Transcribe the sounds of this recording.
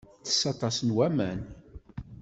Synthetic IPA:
θə̥sːɑt̪ˤɑsnwæmæn

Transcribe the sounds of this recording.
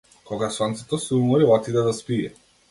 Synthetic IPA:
kɔɡasant̪sɛt̪ɔsɛumɔɾilˠat̪id̪ɛd̪aspijɛ̰

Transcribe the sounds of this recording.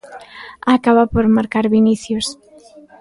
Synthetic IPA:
akaβapoɾmaɾkaɾβiniθjos

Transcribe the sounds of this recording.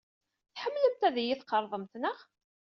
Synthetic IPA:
θħəmːləmt̪æðijiθqəɾˤðˤəmt̪nəʁ

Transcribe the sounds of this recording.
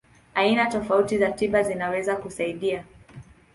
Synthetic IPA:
ainatɔfautizatiɓazinawɛzakusaiɗia

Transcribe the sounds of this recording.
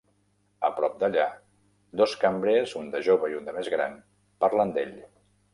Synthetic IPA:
əpɾɔp̚d̪əʎa | d̪oskəmbɾezund̪əʒoβəiund̪əmezɣɾa̰n | paɾlənd̪eʎ

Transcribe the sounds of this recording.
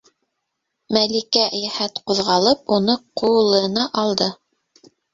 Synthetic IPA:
mælikæjæhæt̪quðʁɑlˠɤpunɤqulˠɤ̆nɑʔɑlˠd̪ɤ

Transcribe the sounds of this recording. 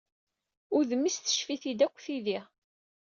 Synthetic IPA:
ʊɾðəmːisθə̥ʃfiθid̪ækʷːθiðiʁ

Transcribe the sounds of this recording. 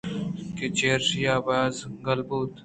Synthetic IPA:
ket͡ɕeːɾsjaːbaːzɡɐlbuːt̪

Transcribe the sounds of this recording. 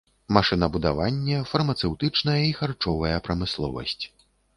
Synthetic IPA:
maʂɨnɐbud̪a̰vanʲːɛfɐrmɐt̪sɛwt̪ɨt͡ʂnɐjɐixart͡ʂɔvɐjɐpɾɐmɨslˠɔ̰vɐ̰sʲt͡sʲ

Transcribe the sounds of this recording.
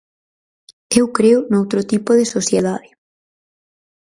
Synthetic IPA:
ewkɾeʊnowt̪ɾot̪ipoðesosjeð̞aðɪ

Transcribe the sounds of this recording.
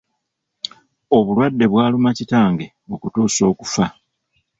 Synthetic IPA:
o̞βulwadːe̞βwaːlumacitaːŋɡe̞ | o̞kutuːso̞ːkufa

